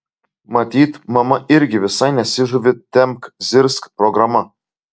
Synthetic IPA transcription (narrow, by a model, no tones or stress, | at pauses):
mɐt̪ʲiːt̪mɐmɐʔɪɾʲɡʲɪʋʲɪsɐɪnʲɛsʲɪʒuʋʲɪt̪ʲɛmkzʲɪɾskpɾɔɡɾɐmɐ